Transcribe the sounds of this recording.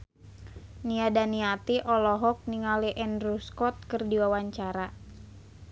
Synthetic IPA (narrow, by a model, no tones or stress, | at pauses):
niadaniat̪iʔɔlɔɦɔk̚niŋaliʔɛndɾuskɔt̪̚kɨrdiwawaɲt͡ʃaɾa